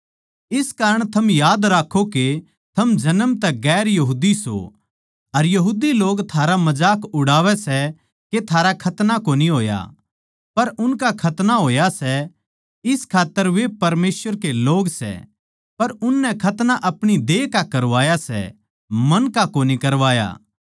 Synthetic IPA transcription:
ɪskaːɾəɽ̃t̪ʰɐmjaːd̪ɾaːkʰːoke | t̪ʰɐmd͡ʒɐnəmt̪ɛɡɛːɾjɐɦuːd̪iso̰ | ɐɾjɐɦuːd̪iloːɡt̪ʰaːɾamɐd͡ʒaːkʊɽaːʋɛsɛ | ket̪ʰaːɾakʰɐt̪nakoːniɦoːja̰ | pɐɾʊnkakʰɐt̪naɦoːjasɛ | ɪskʰaːt̪ːəɾʋepɐɾmeːsʋəɾkeloːɡsɛ̰ | pɐɾʊnːɛkʰɐt̪naʔɐpɽ̃id̪eːkakɐɾʋaːjasɛ̰ | mɐnkakoːnikɐɾʋaːja̰ː

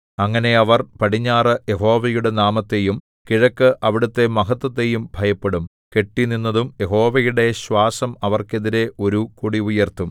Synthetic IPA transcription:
ɐŋːɐne̞ɐʋɐrpɐʈiɲːaːrɨje̞ɦo̞ːʋɐjuɽe̞naːmɐt̪ːe̞jum | kiɻɐkːɨʔɐʋiɽut̪ːe̞mɐɦɐt̪ːwɐt̪̬ːe̞jumbʱɐjɐpːeɽum | ke̞ʈːininːɐðumje̞ɦo̞ːʋɐjuɽe̞ɕwaːsɐmɐʋɐrke̞ðiɾe̞ʔo̞ɾukuɽiujɐrt̪ːum

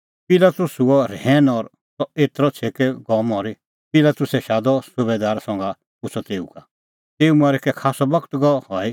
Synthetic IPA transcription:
pɪlaːt̪ʊsuɔɾɛːnɔːɾ | sɔeːt̪ɾɔt͡sʰeːkɛɡɔmɔːɾi | pɪlaːt̪ʊsɛʃaːd̪ɔsʊbed̪aːɾsɔ̃ŋɡa | pʊt͡sʰɔt̪eːṵka | t̪eːumaːɾɛkɛkʰaːsɔbɐkt̪ɡɔhɔi

